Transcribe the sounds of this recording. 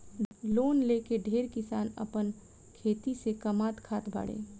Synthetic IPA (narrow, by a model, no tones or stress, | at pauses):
loːnleːkeɖʱeːɾkɪsaːnə̰pən | kʰeːt̪isekɐmaːt̪kʰaːt̪bʱa̰ːɽḛː